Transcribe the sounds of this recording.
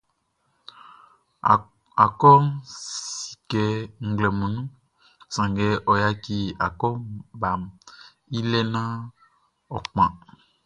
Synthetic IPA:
a˨kɔ˦si̥˨kɛ˨ŋ̩˨ɡlɛ˨mũ˨nũ˦ | sã˨ŋɡɛ˨ʔɔ˨ja˦ki˦a˨kɔ˦ba˨m | i˦lɛ˦nã˦ | ɔ̰˨k͡pã̰˨

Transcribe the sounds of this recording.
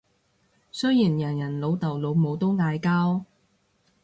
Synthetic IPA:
sɵ˥jjiː˨˩njɐ˨˩njɐ˨˩nlo˨˧wt̪ɐ˨˩wlo˨˧wmo˨˧wt̪o˥wŋaː˧jkaː˥w

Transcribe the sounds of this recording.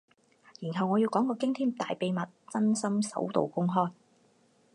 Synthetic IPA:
jiː˨˩nɦɐ˨wŋɔː˨˧ji˧wkɔː˨˥ŋkɔː˧kɪ˥ŋt̪ʰiː˥mt̪aː˨jpe˨jmɐ˨t̚t͡sɐ˥nsɐ˥msɐ̰˨˥wt̪o̰˨wkʊ˥ŋɦɔː˥j

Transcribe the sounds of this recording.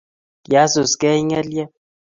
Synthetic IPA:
ja˨˦su˨skɛ˦i˦ŋɛ˦ljɛ˦

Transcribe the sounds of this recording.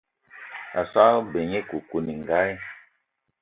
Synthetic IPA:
a̰˨sa˦be˨ɲe˦ku˨ku˨ni˨ŋ˨ɡa˦j

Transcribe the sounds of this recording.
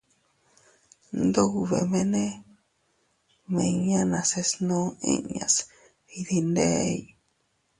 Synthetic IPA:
nd̪o˦u˧βḛ˨mẽ˧nẽ˦ | mẽ˧˨˧ɲã˦nã˨se˧snõ˦ḭ̃˦ɲã̰˨s | i˧ði˧nde˦i˨

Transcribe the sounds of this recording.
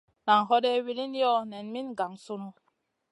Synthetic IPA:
na˨ŋɦɔ˦ɗɛ˦wi˦li˦n˦jɔ˦nɛ˨nmi˦nɡa˨ŋsu˦nu˦

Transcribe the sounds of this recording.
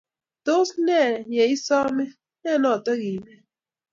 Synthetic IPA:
to˦snɛ˦˨je˨˦i˦sɔ˦mi˦ | nɛ˦˨nɔ˦˨tɔ˦ɣi˨mɛ˦

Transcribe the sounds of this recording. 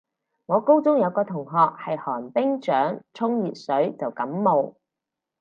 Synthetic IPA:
ŋɔː˨˧ko˥wt͡sʊ˥ŋjɐ˨˧wkɔː˧t̪ʰʊ˨˩ŋɦɔː˨k̚hɐ˨jhɔː˨˩npɪ˥ŋt͡ʃœː˨˥ŋt͡sʰʊ˥ŋjiː˨t̚sɵ˨˥ɥt͡sɐ˨wkɐ˨˥mːo˨w

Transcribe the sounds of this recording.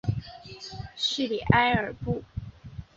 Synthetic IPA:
ɕy˥˩li˨˩ʔa˥ɪə˞˨˩pu˥˩

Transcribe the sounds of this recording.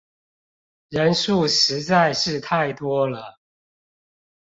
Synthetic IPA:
ɻə˧˦nʂu˥˨ʂɻ̩˨˧˦t͡sa˥˧ɪʂɻ̩˥˧t̪ʰa˥˩ɪt̪wɔ˥lə˨

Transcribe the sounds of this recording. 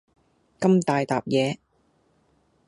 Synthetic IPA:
kɐ˥mt̪aː˨jt̪aː˨p̚jɛː˨˧

